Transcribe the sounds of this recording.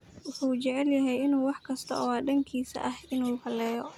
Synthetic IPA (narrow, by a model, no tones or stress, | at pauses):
wʊħuːt͡ʃɛʕɛljɐɦɛjɪnuːwɑħkʰɐst̪ʰɐ̰ʔɔːɖɐŋkʰiːsɐ̰ʔɐhɪnuːhɐlɛːjɔ